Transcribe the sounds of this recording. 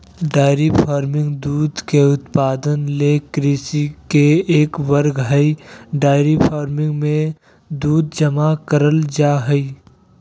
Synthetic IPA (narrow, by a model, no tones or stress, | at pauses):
ɖaːɪɾipʰaːɾmɪ̃ŋɡd̪uːd̪keʊt̪paːd̪ənleːkɾisikeeːkʋəɾɡɦəiɖaːɪɾipʰaːɾmɪ̃ŋɡmẽ | d̪uːd̪̚d͡ʒəmakəɾəld͡ʒaːɦəi